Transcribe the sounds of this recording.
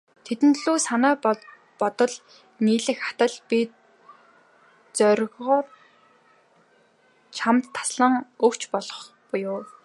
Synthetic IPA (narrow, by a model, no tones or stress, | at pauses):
t̪ʰet̪ɘ̆nt̪ɮuːsanæː | pɔt̪ɞ̆ɮ | niːɮɘ̆xḁt̪ə̆ɮpit̪ | t͡sœɾʲɣʁɔːr | t͡ɕʰamt̪ʰːḁsɮə̆ŋɵkt͡ɕpɔɮɞ̆χ | pʊjʊː